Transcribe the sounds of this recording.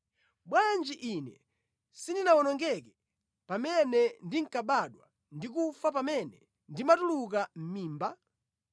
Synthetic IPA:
ɓwand͡ʒiʔinɛ | sindinawɔnɔŋɡɛkɛ | pamɛnɛndiŋ̩kaɓaɗwa̰ | ndik̬ufap̬amɛnɛ | ndimatuluk̬am̩miːmba

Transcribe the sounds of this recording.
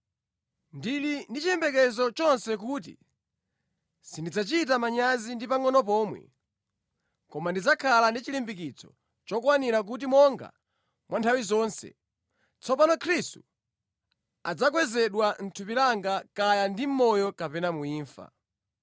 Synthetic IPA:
ndilindit͡ʃijɛmbɛkɛzɔt͡ʃɔnsɛk̬ut̬ḭ | sindid͡zat͡ʃit̬amaɲazindipaŋɔnɔp̬ɔːmwɛ̰ | kɔmandid͡zakʰalandit͡ʃilimbik̬it͡sʰɔ̥̰ | t͡ʃɔkwaniɾak̬ut̬imɔŋɡa̰ | mwʔantʰawizɔːnsɛ̰ | t͡sɔpanɔkʰɾistu̥ | ad͡zakwɛzɛɗwan̩tʰupilaŋɡakajandim̩mɔjɔkapɛnamuiːɱfa̰

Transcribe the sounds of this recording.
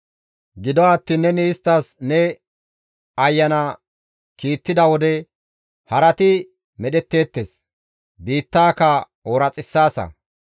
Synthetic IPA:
ɡɪd̪ɔaːt̪ːiːnːɛnɪːst̪ːɐsnɛ | ɐjːɐnɐ | kiːt̪ːɪd̪ɐwɔd̪ɛ | hɐɾɐt̪ɪ | mɛɗɛt̪ːe̞ːt̪ːeːs | biːt̪ːaːkɐ | oːɾɐt͡sʼɪsːaːsɐ̰

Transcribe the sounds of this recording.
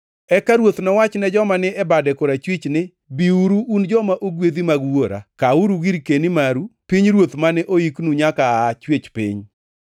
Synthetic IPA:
ɛkaɾwot̪nɔwat͡ʃnɛd͡ʒɔmanɪɛbadɛkoɾat͡ʃwit͡ʃnɪ | biuɾuːnd͡ʒɔmaʔoɡwed̪imaɡwoɾa̰kauɾuɡiɾkenimaɾupiɲɾwot̪manɪʔoiknuɲakaat͡ʃwet͡ʃpɪ̰ɲ

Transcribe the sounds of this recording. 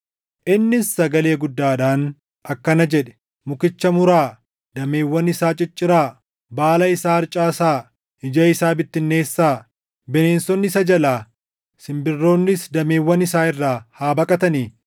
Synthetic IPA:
ʔɪnːɪsːɐɡɐle̞ːɡʊd̪ːaːᶑaːn | ʔɐkːɐnɐd͡ʒɛᶑɛ̥ | mʊkɪt͡ʃːɐmʊɾaː | d̪ɐme̞ːwːɐnːɪsaːt͡ʃʼɪt͡ʃʼːɪɾaː | baːlɐɪsaːɐɾt͡ʃʼaːsaː | ɪd͡ʒɐɪsaːbɪt̪ːɪnːe̞ːsːaː | bɛne̞ːnsɔnːɪsɐd͡ʒɐlaː | sɪmbɪrːo̞ːnːɪsd̪ɐmeːwːɐnɪsaːɪrːaːhaːbɐkʼɐt̪ɐniː

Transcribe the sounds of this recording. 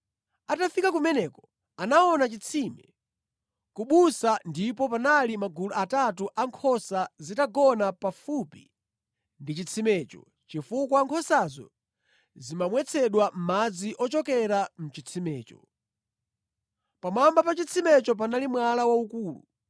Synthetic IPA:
atafikak̬umɛnɛkɔ | anaɔnat͡ʃit͡sʰimɛ | kuɓusandipɔpanalimaɡuluatatuʔaŋkʰɔsazitaɡɔnapafupi | ndit͡ʃit͡sʰimɛːt͡ʃɔ̰ | t͡ʃifukwaaŋkʰɔsazɔ̰ | zimamwɛt͡sʰɛɗwam̩mad͡ziʔɔt͡ʃɔkɛɾam̩t͡ʃit͡sʰimɛːt͡ʃɔ | pamambapat͡ʃit͡sʰimɛt͡ʃɔp̬analimwalawaukuːlṵ

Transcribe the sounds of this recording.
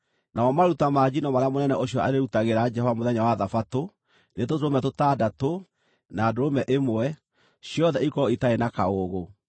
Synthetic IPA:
naɔmaɾutamad͡ʑinɔmaɾeamonɛnɛʔoɕjɔa̰ɾeɾutaɣeɾad͡ʒɛhovamoðɛɲawaðafato | netotɾomɛtotaːdato | naːdoɾomɛʔemwɛ | ɕjɔðɛikɔitaenakaoɣo

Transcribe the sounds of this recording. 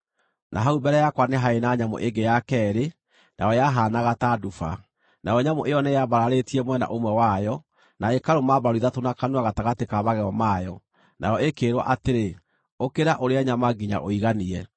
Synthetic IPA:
nʔaɦaubɛɾɛjakwaneɦaenaɲamo̰ʔeŋɡejakɛɾe | na̰jɔjaɦanaɣatadufa̰ | najɔɲamoʔejɔnɛjaβaɾaɾetiɛmwɛna̰ʔomwɛwajɔ | naekaɾomabaɾiðatonakanuaɣataɣatekaβaɣɛɔmajɔ | nʔa̰jɔekeːɾwa̰ʔateɾe | okeɾaʔoɾeaɲamaɡiɲa̰ʔoiɣaniɛ

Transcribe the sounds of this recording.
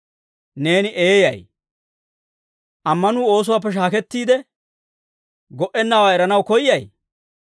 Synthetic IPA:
ne̞ːnɪʔeːjɐ̰j | ʔɐmːɐnuːo̞ːs̬ʊwaːp̬ːɛʃ̬aːkɛt̪ːiːd̪ɛ | ɡɔʔɛnːawaːɛɾɐnɐwkɔjːɐj

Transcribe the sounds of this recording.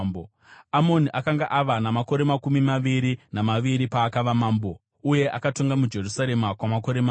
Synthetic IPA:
bo | amo̞niʔakaŋɡaʔaʋanamako̞ɾe̞makumimaʋiɾinamaʋiɾipaːkaʋamaːmbo̞ | uje̞ʔakato̞ŋɡamud͡ʒe̞rusaɾe̞makwamako̞ɾema

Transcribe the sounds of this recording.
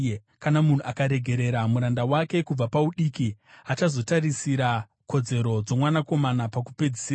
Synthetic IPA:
kanamun̤uʔakaɾe̞ɡʱe̞ɾe̞ɾamuɾandawake̞kub͡vapauɗikiat͡ʃazo̞tarisiɾa | ko̞d͡ze̞ɾo̞d͡zo̞mwanako̞manapakupe̞d͡zisira

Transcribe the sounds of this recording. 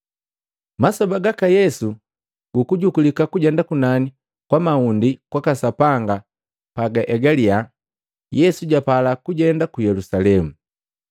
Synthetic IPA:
masɔbaɡakajɛsu | ɡ̥ukuɟukulikakuɟɛndakunani | kwamaundikwakasapaŋɡa | paɡaʔɛɡalia | jɛsuɟapalakuɟɛndakujɛlusalɛmu

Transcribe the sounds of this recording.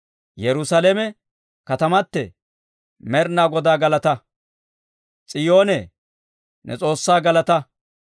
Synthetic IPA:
jɛɾʊsɐlemɛ | kɐt̪ɐmɐt̪ːɛ̰ | mɛɾnaːɡɔd̪aːɡɐlɐt̪ɐ | t͡sʼɪjoːnɛ | nʔɛ̰t͡sʼo̞ːsːaːɡɐlɐt̪ɐ

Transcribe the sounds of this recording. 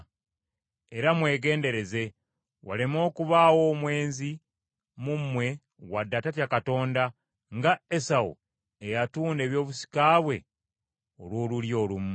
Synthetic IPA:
eɾamwe̞ːɡe̞ːnde̞ɾe̞ze̞ | wa̰lemo̞ːkuβawo̞mwe̞ːnzi | mumːwe̞ | wadːatatjakato̞ːnda | ŋɡaesawṵ | ejatuːnde̞ːβjo̞ːβusi̥kaːβwe̞ | olwo̞ːluljo̞ːlum

